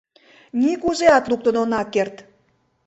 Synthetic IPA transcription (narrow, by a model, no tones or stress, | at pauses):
nʲikuzeɑt̪luk̚t̪ə̆nonɑkːert̪